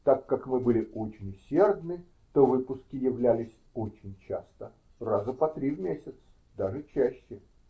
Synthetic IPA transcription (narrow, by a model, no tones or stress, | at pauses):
t̪akːakmɨbɨlʲɪʔot͡ɕɪnʲʊsʲerd̪nɨ | t̪ovɨpʊskʲɪjɪvlʲælʲɪsʲ | ot͡ɕɪnʲt͡ɕast̪ə | razəpɐt̪ɾʲivmʲesʲɪt̪s | d̪aʐɨt͡ɕæɕːɪ